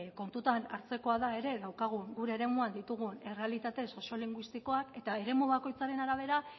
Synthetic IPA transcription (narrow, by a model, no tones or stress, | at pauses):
ko̞nt̪ut̪ana̰ɾt͡se̞ko̞aðae̞ɾe̞ɣawkaɣ̞uŋɡuɾe̞ːɾe̞muand̪it̪uɣ̞une̞re̞alit̪at̪e̞so̞sio̞liŋɡwist̪iko̞ake̞t̪ae̞ɾe̞muβako̞jt͡saɾe̞naɾaβ̞e̞ɾa